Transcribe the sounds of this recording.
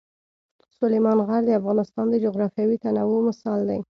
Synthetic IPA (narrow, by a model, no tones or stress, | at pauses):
sʊlajmɑnɣaɾd̪əafɣɑnɪst̪ɑnd̪əd͡ʒʊɣɾɑfjɑwit̪anawomɪsɑld̪a̰j